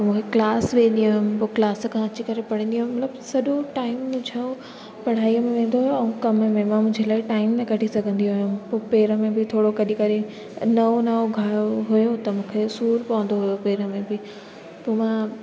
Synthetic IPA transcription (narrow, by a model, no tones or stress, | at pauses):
t̪mũːkʰeklaːsʋẽːnd̪iɦaɦʊmpoːklaːsə̆kʰãɐt͡ɕikɐɾepɐɽ̤ə̃nd̪iaːɦʊ̃mmɐt̪ləbsɐɗoʈaːɪmːʊ̃d͡ʑʱaõ | pɐɽ̤aːiəmẽʋẽːn̆d̪oɦʊjoɐ̃ũkɐməmẽmãmʊ̃ɦɲd͡ʑʱelaːɪʈaːɪmnɐkɐʈʰisɐɡʱə̃nd̪iɦʊjumpoːpeːɾəmẽbɪt̪ʰoːɽokɐɗikɐɾe | nɐonɐʋoɡʱaːjoɦʊjot̪ɐmũːkʰesuːɾpɐʋə̃nd̪oɦʊjopeːɾəmẽbɪ | poːmã